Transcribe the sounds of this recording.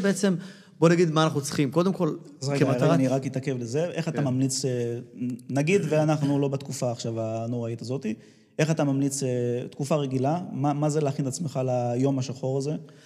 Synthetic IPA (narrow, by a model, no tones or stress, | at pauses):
beet͡se̞m | bonaɡid̪manaχnut͡sχimko̞d̪e̞mko̞l | azʁeɡaaaaniʁakit̪ake̞vleze̞ʔeχat̪amamlit͡se | naɡid̪veanaχnulo̞bat̪kufaːχʃavano̞ʁait̪azo̞t̪i | ʔe̞χat̪amamlit͡set̪kufaʁe̞ɡilamamazeleaχinat͡smeχalajo̞maʃaχo̞ʁaze̞